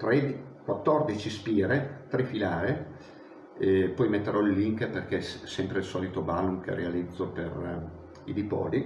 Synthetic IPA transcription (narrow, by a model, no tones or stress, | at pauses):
t̪ɾed̪ | kwat̪ːɔrd̪it͡ʃispiːɾet̪ɾefilaːɾe | ɛpɔjmet̪ːeɾʔɔilːiŋkperkesɛmpɾeilsɔːlit̪obaːlumk̟ḛrealid̪zːopḛr | id̪ipɔ̰ːli